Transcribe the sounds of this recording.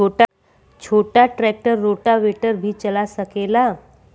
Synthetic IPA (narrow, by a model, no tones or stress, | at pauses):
t͡ʃoːʈa | t͡ʃʰoːʈaʈɾɛk̚ʈəɾːoːʈaʋeʈəɾbʱit͡ʃəlasəkela